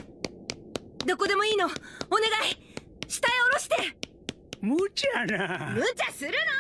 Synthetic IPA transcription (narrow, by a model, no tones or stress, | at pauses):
d̪o̞ko̞d̪e̞mo̞iːno̞ːne̞ɡai | ɕi̥t̪aio̞ɾo̞ɕi̥t̪e̞ | mot͡ɕanamɯ̟t͡ɕasɨɾɯ̟no